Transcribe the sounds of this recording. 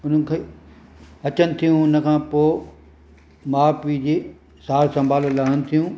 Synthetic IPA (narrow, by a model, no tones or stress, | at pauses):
ʊn̤ə̆kʰeː | ɐt͡ɕənɪ̆t̪ʰijũʊnə̆kʰãːpoː | maːpid͡ʑeː | saːɾsɐ̃mbʱaːləlɐɦənɪ̆t̪ʰijũ